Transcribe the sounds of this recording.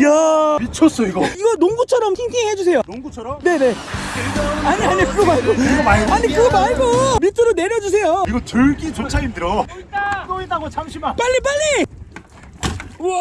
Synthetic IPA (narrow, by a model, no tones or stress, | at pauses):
jamit͡ɕʰʌs͈ʌiɡʌiɡʌnoŋɡut͡ɕʰʌɾʌmsʰeŋtʰiŋɦed͡ʑus̬ʰe̞jonoŋɡut͡ɕʰʌɾʌmne̞ne̞ | aɲiaɲiokɯɡʌmaɭɡoɯɡʌmaɭɡaɲikɯɡʌmaɭɡomitʰɯɾone̞ɾjʌd͡ʑus̬ʰe̞joiɡʌt͡ɕɯɭɡit͡ɕot͡ɕʰaimdɯɾʌaɡoit͈aɡot͡ɕʰaŋɕʰimap͈aʎːip̬͈aʎːi